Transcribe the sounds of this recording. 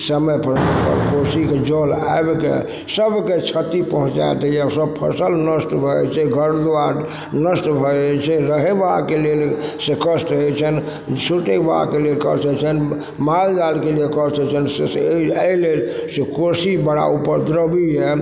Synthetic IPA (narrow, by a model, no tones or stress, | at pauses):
səməjpʰəɾpə̰ɾkosiked͡ʒɔla̰ebkḛ | səbket͡ʃʰət̪ipəɦũt͡ʃa̰t̪əijasəbpʰə̰səlnəsʈbʱɔt͡ʃʰɛɡʱəɾd̪a | nəsʈbʱɔɛt͡ʃʰɛɾəɦɛʋakelelsekəsʈəɦɛt͡ʃʰən | suʈeba̰kelelkəɾt͡ʃʰət͡ʃʰən | mald͡ʒalkeliekəɾt͡ʃʰɛt͡ʃʰənsesəilelsekosibəɽa̰upəɾd̪ɾəbiɦɛ